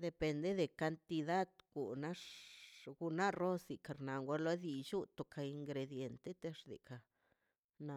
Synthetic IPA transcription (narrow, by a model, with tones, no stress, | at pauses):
d̪e˨pe˧nd̪e˦d̪e˨ka˧nt̪i˧d̪a˦d̪ɡu˨na˦ʂɡu˧na˦ro˦si˨ka˨ɾna˨ŋɡʷa˧˦lo˦d̪i˧t͡ʃu˦t̪o˨kʰa˨i˧ŋɡɾe˧d̪je˨nt̪e˦t̪e˦ʂd̪ḭ˨ka˨ | na˧˨